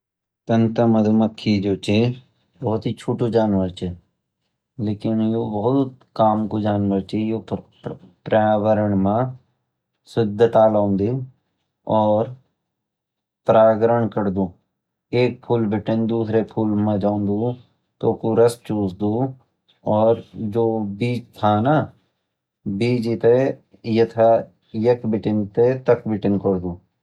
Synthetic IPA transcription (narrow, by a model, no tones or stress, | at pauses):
t̪ənt̪əməd̪əməkʰːiːd͡ʒoːt͡ʃeː | bɔːt̪ɦiːt͡ʃʰuːʈuːd͡ʒaːnʋəɾt͡ʃɛ | leːkɪnjoːbəʊt̪kaːmkuːd͡ʒaːnʋəɾt͡ʃejoː | pɾaːʋəɾəɳmãː | sɪd̪ʱt̪aːlãːnd̪iː | ɔːɾ | pɾaːɡɾəɳkəɾd̪uː | eːk̚pʰuːlbɪʈɪnd̪uːsɾeːpʰuːlmãːd͡ʒãːnd̪uː | t̪oːkuɾəst͡ʃuːsd̪uː | ɔːɾd͡ʒoːbiːd͡ʒt̪ʰaːna | biːd͡ʒit̪e | jət̪ʰa | jəkbɪʈɪnt̪et̪əkbɪʈɪŋkəɾd̪uː